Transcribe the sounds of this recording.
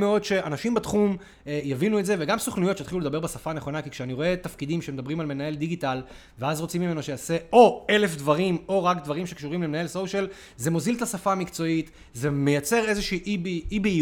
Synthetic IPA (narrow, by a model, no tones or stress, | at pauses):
meo̞dʃe̞ʔanaʃimbatχum | ejavinuetze̞veɡamsoχnujotʃeat̪χilued̪abebesafaneχo̞nakikʃeaniʁo̞e̞t̪afkid̪imʃemedabʁimalme̞nae̞ldiɡital | veazʁo̞t͡simime̞no̞ʃejase̞o̞e̞le̞fdvaʁimo̞ʁakdvaʁimʃe̞kʃuʁimlemenae̞lsoʃel | ze̞mozilt̪asafamikt͡so̞it | ze̞mejat͡se̞ʁe̞zeʃiːʔbiibi